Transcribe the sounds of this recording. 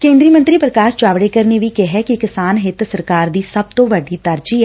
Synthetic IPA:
kẽːnd̪ɾiːəmə̃nt̪ɾiːpɾəkaːʃd͡ʒaːʋɽekəɾneʋikɛɦɛkikɪsaːnɦɪt̪səɾkaːɾd̪iːsəb̚t̪õːʋəɖiːt̪əɾd͡ʒiɛ

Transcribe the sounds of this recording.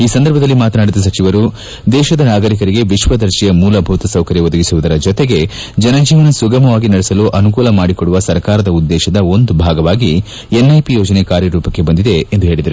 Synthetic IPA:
iːsɐnd̪ɐɾbʱɐd̪ɐlːimaːt̪ɐnaːɽid̪ɐs̬ɐt͡ʃiʋɐɾu | d̪ɛːʃɐd̪ɐnaːɡɐɾik̬ɐɾiɡe̞ʋiʃʋɐd̪ɐɾʃijɐmuːlɐbʱuːt̪ɐsɐwkɐɾjiʋɔd̪ɐɡisuʋud̪ɐɾɐd͡ʒɔt̪eɡe̞ | d͡ʒɐnɐd͡ʒiːʋɐnɐsuɡɐmɐʋaːɡinɐɽesɐluʔɐnukuːlɐmaːɽikoɽuʋɐsɐɾkaːɾɐd̪ɐud̪ːɛːʃɐd̪ɐo̞nd̪ubʱaːɡɐʋaːɡi | enːɐjpijoːd͡ʒɐnekaːɾjɐɾuːpɐkːe̞bɐnd̪id̪e̞ːnd̪uɦe̞ːɭid̪ɐɾu

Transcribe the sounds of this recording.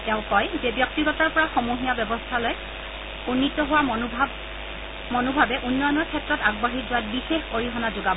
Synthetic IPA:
tɛʊ̃kɔjzebjɔk̚tiɡɔtaɹpɔɹaxɔmoɦijabɔbɔstʰaloj | unːitɔɦowa | mɔnobʱabɛʔunːɔjɔnɔɹkʰɛtɹɔtaɡbaɦizʊwat̚bixexoɹiɦɔnazoɡab

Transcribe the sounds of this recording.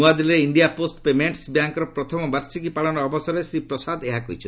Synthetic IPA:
uad̪ilɾeiɳɖijaposʈpemeɳʈsbjaŋkɔɾɔpɾɔt̪ʰɔmɔbaɾsikipaɭɔɽ̃ɔːbɔsɔɾesɾipɾɔsad̪eɦakɔ̰ɦit͡ʃʰ

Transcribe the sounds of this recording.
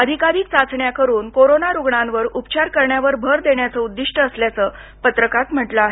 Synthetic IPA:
əd̪ʱikaɾiːk̚t͡sat͡sʰɳjakəɾuːnkoɾonaɾuɡɳãnʋəɾupt͡ɕaɾkəɾɳjaʋəɾbʱəɾd̪eɳjat͡səud̪ːiʂʈəːsljat͡sə | pət̪ɾəkat̪m̤əʈləaɦe

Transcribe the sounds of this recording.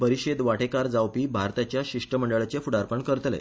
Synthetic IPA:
pəɾiɕed̪ʋaʈekaɾd͡zawpiːbʱaɾt̪at͡ɕjaɕiʂʈəməɳɖəɭat͡ɕefuɽaɾpəɳkəɾt̪lḛ

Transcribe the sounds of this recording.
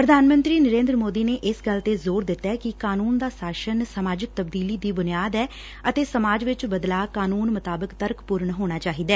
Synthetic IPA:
pɾəd̪ʱaːnmə̃nt̪ɾiːnəɾẽːnd̪ɾəmoːd̪iːneːʔɪsɡəlt̪eːzoːɾd̪ɪt̪ːɛːkɪkaːnuːnd̪aːsaːʃənsəmaːd͡ʒɪk̚t̪əb̚d̪iːliːd̪iːbʊnɪjaːd̪ɛː | ət̪eːsəmaːd͡ʒʋɪt͡ʃbəd̪laːkaːnuːnmət̪aːbəkt̪əɾkpuːɾəɳɦoːɽ̃aːt͡ʃaːɦiːd̪ɛː

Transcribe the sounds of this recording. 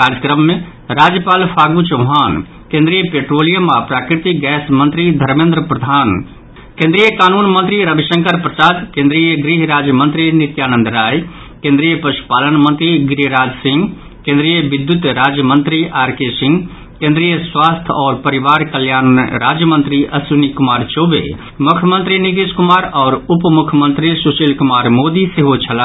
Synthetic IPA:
kaːɾjəkɾəmːẽ | ɾaːd͡ʒjəpaːlpʰaːɡut͡ʃoɦaːn | kẽːnd̪ɾijəpeːʈɾoːlijəmapɾaːkɾɪt̪iɡɛːsmə̃nt̪ɾid̪ʱɐɾmẽːnd̪ɾəpɾəd̪ʱaːn | kẽːnd̪ɾijəkaːnuːnmə̃nt̪ɾiɾəbiʃə̃ŋkəɾpɾɐsaːd̪kẽːnd̪ɾijəɡɾiɦɾaːd͡ʒjəmə̃nt̪ɾinɪt̪jaːnə̃nd̪ɾaːi | kẽnd̪ɾijəpɐʃu̥paːlənmə̃nt̪ɾiɡɾiɦɾaːd͡ʒsɪ̃ŋɡ | kẽːnd̪ɾijəʋɪd̪jʊt̪ɾaːd͡ʒjəmə̃nt̪ɾiʔaːɾkeːsɪ̃ŋɡ | kẽːnd̪ɾijəswaːst̪ʰɔːɾpɐɾɪʋaːɾkəljaːnɾaːd͡ʒjəmə̃nt̪ɾiʔɐsunikʊmaːɾt͡ʃoːʋḛː | mʊkʰjəmə̃nt̪ɾinɪt̪̬iskʊmaːɾɔːɾʊpmʊkʰəmə̃nt̪ɾisuːʃilkʊmaːɾmoːd̪iseɦot͡ʃʰɐla

